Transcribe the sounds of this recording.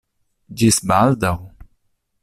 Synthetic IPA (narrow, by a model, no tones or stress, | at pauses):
d͡ʒisbald̪aw